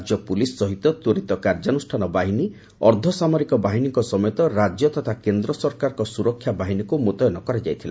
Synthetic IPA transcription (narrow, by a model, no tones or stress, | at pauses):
d͡ʒjɔpulisːɔɦit̪ɔt̪oɾit̪ɔkaɾd͡ʒanusʈʰanɔbaɦini | ɔɾd̪ʱɔsamɔɾikɔbaɦiniŋkɔsɔmɔjɔt̪ɔɾad͡ʒjɔt̪ɔt̪ʰakend̪ɾɔsɔɾkaɾɔkɔsuɾɔkʰːjabaɦinikumot̪ɔjɔnɔkɔɾed͡ʒajt̪ʰila̰